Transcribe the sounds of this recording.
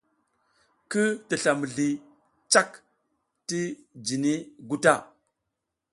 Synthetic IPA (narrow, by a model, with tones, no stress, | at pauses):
kə˦ti˨ɬa˨mə˨ɮi˨ | t͡ʃa˦k | ti˦d͡ʒi˨ni˦ɡu˦ta˦˨